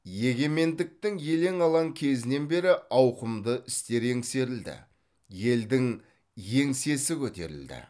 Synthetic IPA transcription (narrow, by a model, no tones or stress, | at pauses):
je̞ɡʲe̞me̞nd̪ɪk̚t̪ɪŋje̞le̞ŋɑlˠɑŋkʲʰe̞zɪne̞nbe̞ɾɪɑwqəmd̪əʔɪst̪e̞ɾe̞ŋse̞ɾɪld̪ɪ̰ | je̞ld̪ɪŋ | je̞ŋse̞sɪkʲʰɵt̪e̞̰ɾɪ̰ld̪ɪ̰